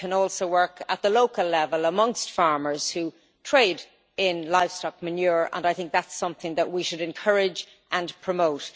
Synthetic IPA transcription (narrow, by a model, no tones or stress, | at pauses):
kʰə̃nɔlˠsoʊwɜ˞kət̪̚ðəloʊkəlɛvəlˠəmʌ̃ŋstfɑɹmə˞z̥hu | tʰɹ̥eɪɾ | ɪ̃nlaɪv̥stɑk̚mɨnjʊɹə̰̃naɪθɪ̃ŋk̚ðætsʌ̃mθɪ̃ŋðəʔ̚wiʃɨɾɨ̃nkʰɜɹɪd͡ʒ | ʔə̃npʰɹ̥əmoʊt